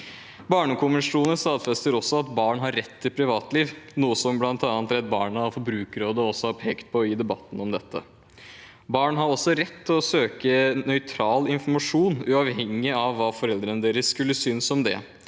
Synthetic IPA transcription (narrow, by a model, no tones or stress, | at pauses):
bɑːɳəkʊmɪʂuːnəst̪ɑːd̪fɛst̪əɾɔsːɔɑt̪bɑːɳɦɑɾːɛt̪ʰːɪlpʰɾɪʋɑːt̪liːʋnuːəsɔmblɑnt̪ɑnt̪ɾɛt̪̚bɑːɳəɑfɔbɾʉːkɾoːd̪əɔɔsɔhɑɾpʰeːkt̪̚pʰɔjiːd̪ɛbɑt̪ːn̩ɔmd̪ɛt̪ʰːə̰ | bɑːɳɦɑɾɔsːɔɾɛt̪ʰːɪlɔsøːkənœʏt̪ʰɾɑːlɪnfɔɾmɑʂuːnʉɑʋhɛŋːɪɑʋːɑːfɔɾɛld̪ɾənəd̪eːɾəsːkʉlːəsʏnsɔmd̪ɛ̰